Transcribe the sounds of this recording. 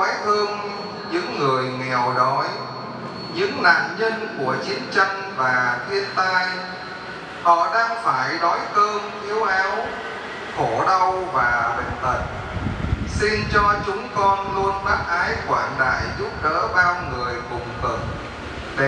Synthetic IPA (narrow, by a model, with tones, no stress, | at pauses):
jt̪ɨ˧əŋ | ɲɨ̰˧˥ŋːɨ˨˩əjŋɛ˨˩əwɗɔ˨˦j | ɲɨ̰˧˥ŋla̰ː˧˨nɲə˧nku˧˩ət͡ɕi˨˦ənt͡ɕa˧ŋ | vaː˨˩t̪ʰi˧ənt̪aː˧j | hɔ̰˧˩˨ɗaː˧ŋfaː˧˩jɗɔ˨˦jkəː˧mʔi˨˦əwʔaː˨˦w | xo˧˩ɗə˧wvaː˨˩ɓə̟˦˥t̪ə˨˩t̚ | si˧nt͡ɕɔ˧t͡ɕʊ˨˦ŋ͡mkɔ˧nlu˧ənɓa˦˥t̚ʔaː˨˦jkwaː˧˩nɗa̰ː˧˨jzu˦˥p̚ɗə̰ː˧˥ɓaː˧ŋɨ˨˩əjkʊ̰˨˩ŋ͡mt̪ɨ̰˧˨ŋ̚ | ɗ